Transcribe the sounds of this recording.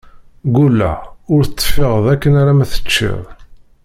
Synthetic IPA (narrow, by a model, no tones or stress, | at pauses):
ɡulːæ̰ʊɾθət͡s̪ˤːfɪʁðækːənaɾæmæθə̥t͡ʃːḭðˤ